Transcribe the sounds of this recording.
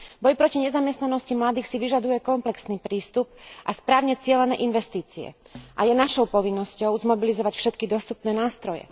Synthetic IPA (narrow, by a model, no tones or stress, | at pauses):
bɔjpɾɔciɲɛzamjɛst̪nanɔscimlad̪iːxsiʋiʒad̪ujɛkɔmplɛksniːpɾiːst̪up̚ʔaspɾaːʊɲɛt͡sɪɛlɛnɛ̰ːʔinʋɛst̪iːt͡siɛ̰ | ʔajɛnaʃɔʊpɔʋinːɔscɔʊzmɔbilizɔʋacfʃɛt̪kid̪ɔst̪upnɛːnaːst̪ɾɔjɛ̰